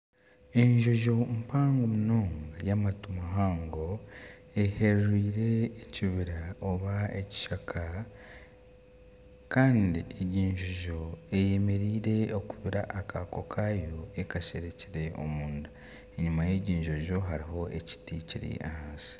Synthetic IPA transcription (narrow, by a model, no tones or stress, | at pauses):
e̞ɲʒo̞ʒo̞mpaːŋɡomuno̞ːŋɡajamatumaɦaːŋɡo̞ | eheɾriːɾe̞ːciβiɾaoβaeci̥ʃakʰa | kaːndieɟiːɲʒo̞ʒo̞eje̞me̞ɾiːɾe̞okuβiɾaʔːkako̞kʰaːjo̞ekaʃeɾe̞ciɾe̞o̞̰muːndu | eɲumajeɟiːɲʒo̞ʒo̞ɦaɾiɦo̞ʔeci̥ticiɾḭʔa̰haːnsi̥